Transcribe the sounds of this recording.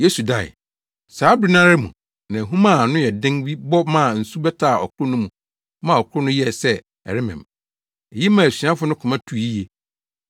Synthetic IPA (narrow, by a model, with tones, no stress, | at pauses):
je˦su˨da˨ɪ̰˨ | saː˨˦bɾɪ˦nã˦ɾɪ˦mṵ̃˨ | nã˨ɦũ˦mã˦˨nʊ̃˦jɛ˨dɪ̃˦ŋbi˦bɔ˦mã˦˨n̩˨su˦bɛ˦tʰa˦˨ɔ̰˨kʰʊ˦ʊ˦nʊ̃˦mũ˨ | mã˦˨ɔ˨kʰʊ˦ɾʊ˦nʊ̃˦jɛ˦˨sɛ˦ | ɛ̰˨ɾɪ˦mɪ̰̃˨m | e˨ji˦mã˦˨sɥi˨˦ã˦fʊ˦nʊ̃˦kʰʊ̃˨mã˦tʰu˨i˦je˨